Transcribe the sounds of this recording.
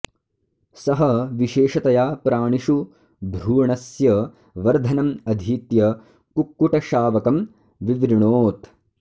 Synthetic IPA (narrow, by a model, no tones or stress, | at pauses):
sɐɦɐʋiʃeːʃɐt̪ɐjaːpɾaːɳiʃu | bʱɾuːɳɐsjɐ | ʋɐɾd̪ʱɐnɐmɐd̪ʱiːt̪jɐ | kukːuʈɐʃaːʋɐkɐm | ʋiʋɾiɳoːt̪